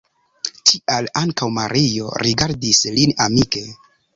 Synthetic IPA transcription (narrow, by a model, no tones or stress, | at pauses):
tialaŋkawmaɾʔijo̞̰ɾiɡaɾdislinamike̞